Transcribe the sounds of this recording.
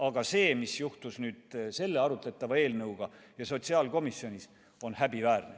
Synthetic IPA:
ɑɡ̥ɑse̞ːmisjuht̪usnyːd̪̥se̞lːe̞ɑɾut̪ˑlet̪ːˑɑvɑe̞ːlnɤwɡ̥ɑjɑso̞t̪siɑːlko̞misjo̞nʲis | o̞nhæbivæːrne

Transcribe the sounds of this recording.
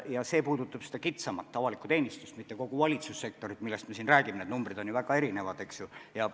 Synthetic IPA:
jɑse̞ːpuːd̪̥ut̪ːˑɑb̥sed̥̪ɑkit̪sɑmɑt̪ːɑvɑlikˑu̥t̪e̞ːnʲist̪ust̪mit̪ːe̞ko̞ɡ̥uvɑlʲit̪susːe̞k̚t̪o̞ɾit̪milːe̞st̪mesinræːɡ̥imned̪numbrid̪o̞njuvæɡ̥ɑe̞ɾine̞vɑd̪e̞ksjujɑ

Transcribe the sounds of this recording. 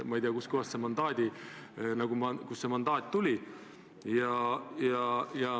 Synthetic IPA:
mɑijd̪iɑkuskohɑst̪semɑnd̪ɑːd̪̥ʲinɑɡ̥umɑkusːemɑnd̪̥ɑːt̪̚ʲt̪ulʲi | jɑjɑjɑ

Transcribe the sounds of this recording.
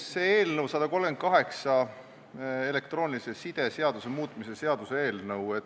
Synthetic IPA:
seeːlnɤwsɑd̪̥ɑko̞lmɡ̥en̚kɑɦe̞ksɑ | e̞le̞kt̪ro̞ːnʲilise̞sid̪̥e̞se̞ɑd̪̥use̞muːt̪ːˑmise̞se̞ɑd̪̥usee̞ːlnɤwe

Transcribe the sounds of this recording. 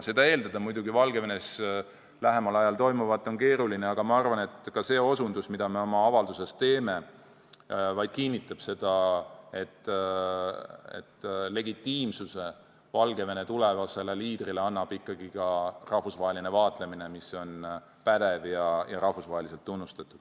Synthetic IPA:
sed̪ɑe̞ːld̪ɑd̪̥ɑmujd̪uɡivɑlɡe̞venes | læɦe̞mɑlɑjɑlt̪o̞jmuvɑt̪ːˑo̞nke̞ːɾulineɑɡ̥ɑmɑɑrvɑne̞t̪kɑse̞ːo̞sund̪usmid̪̥ɑme̞o̞mɑɑvɑld̪use̞st̪t̪e̞ːme̞ | vɑjd̪̥̚kinʲːit̪ːˑɑb̥se̞d̪̥ɑe̞t̪ː | ḛt̪ːle̞ɡit̪ːiːmsuse̞ | vɑlɡe̞ve̞ne̞t̪ulevɑse̞le̞liːd̪̥rileɑnːɑb̥ikˑːɑɡ̥ikɑrɑhfusvɑɦeline̞vɑːt̪ˑle̞mine̞miso̞n | pæd̪̥e̞vjɑjɑɾɑhfusvɑːɦe̞lise̞lt̪ːunːust̪ɑt̪ːˑud̪̥

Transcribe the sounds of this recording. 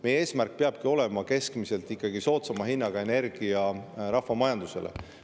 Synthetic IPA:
me̞jee̞ːsmærk̚peɑb̥̚kio̞le̞mɑke̞skmise̞lt̪ikːˑɑɡ̥iso̞ːt̪sɑmɑɦinːɑɡ̥ɑe̞ne̞rɡ̥iɑrɑhvɑmɑjɑnd̪use̞̰lḛ

